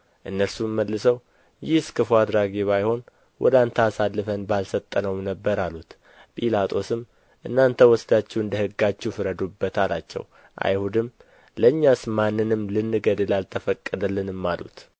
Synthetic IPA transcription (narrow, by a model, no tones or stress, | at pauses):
ʔɨnːəɾsuməlːɨsəw | jɪhskʰɨfuad̪ɾaɡiβajho̞n | wʔɔ̰d̪ant̪ʰəasalːɨfənbalsət̪ʼːənəwnəbːəɾalut̪ | pʼilat̪ʼʰo̞sɨm | ʔɨnːant̪ʰəwɔsd̪at͡ʃːɛwɨnd̪əhɨɡːat͡ʃːufɨɾəd̪ubːət̪ʰalat͡ʃːɛ̰w | ʔa̰jhud̪ɨm | ləɲːasmanːɨnɨmlɨnːɨɡəd̪əlalt̪ʰəfəkʼːəd̪əlːɨnɨmːalṵt̪